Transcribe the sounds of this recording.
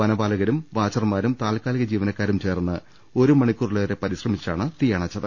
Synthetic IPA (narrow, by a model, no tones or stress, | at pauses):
ʋɐnɐbaːlɐɣɐɾumʋaːt͡ɕɐrmaːɾumt̪aːlkaːliɣɐd͡ʑiːʋɐnɐkːaːɾumt͡ɕe̞ːrnːɨ | o̞ɾumɐɳikʲːuːriɭɐʋɐɾe̞pɐɾiɕrɐmit͡ɕːiʈaːɳɨt̪ijaːɳɐt͡ɕːɐðɨ